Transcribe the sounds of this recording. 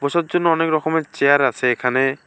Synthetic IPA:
bɔsɔt̪̚d͡ʒonːɔɔnekɾɔkɔmet͡ʃejaɾasʰeːkʰane

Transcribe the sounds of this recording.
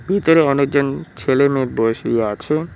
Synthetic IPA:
bʱit̪oɾeɔnek̚d͡ʑont͡ɕʰelemeɾboeʃiiat͡ɕʰe

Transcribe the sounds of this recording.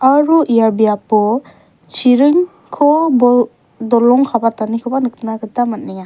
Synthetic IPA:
aɾuʔijabijapɔ | t͡ʃʰiɾɯŋ | kʰɔbɔ | dɔlɔŋkʰabatanikʰɯbanɯk̚tnakɯtamat̚nija

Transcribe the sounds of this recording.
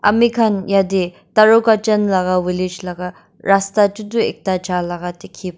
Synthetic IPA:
ʔɐ̰mikʰɐnjadi | tɐɾokat͡ʃɐnlɐɡawilid͡ʒlɐɡa | ɾastat͡ʃuduek̚tad͡ʒalɐɡatikʰip̚

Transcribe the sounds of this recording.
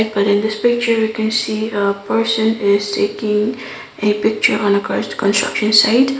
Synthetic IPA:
t̚b̥ʌɾɪ̃nd̪ɪspɪk̚t͡ʃə˞wikɛ̃nsiəpʰɛɹsə̃nɪztʰeɪkɪ̃ŋ | ʔepɪk̚t͡ʃə˞ɔ̃nəkʰɹɔ̰ɹstə̥kɔ̃nstɹʌ̰kʃə̃nsaɪt

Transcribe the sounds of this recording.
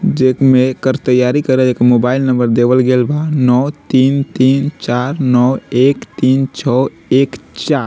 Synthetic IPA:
d͡ʒekmekəɾt̪əjːaɾikəɾed͡ʒekmoːbaːɪlnə̃mbəɾd̪ebəlɡelbanɔt̪iːnt̪iːnt͡ʃaɾnɔeːkt̪iːnt͡ʃʰɔ | eːkt͡ʃaɾ

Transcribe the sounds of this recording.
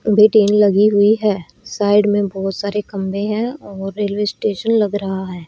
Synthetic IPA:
bʱeːʈeːnlɐɡiɦʊiɦɛː | saːɪɖmẽbɔːʊt̪saːɾekɐ̃mbẽɦɛ̃ɔːɾːeːlweːsʈeːʃənlɐɡɾɐɦaɦɛː

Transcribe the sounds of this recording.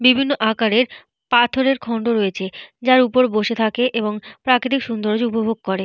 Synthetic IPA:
bibʱinːoʔakaɾeɾ | pat̪ʰoɾeɾkʰɔɳɖoɾoet͡ɕʰed͡ʑaɾupoɾboʃet̪ʰakeʔeboŋpɾakɾit̪ikʃund̪oɾod͡ʑupobʱoɡ̚koɾe

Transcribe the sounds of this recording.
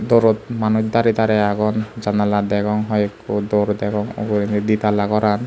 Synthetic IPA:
d̪oɾɔt̪̚manukd̪aɾit̪aɾɛaɡɔnd͡ʒanalad̪ɛkɔŋɦɔjkːud̪oɾd̪ɛkɔŋo̰ɡuɾinid̪it̪alakɔɾan

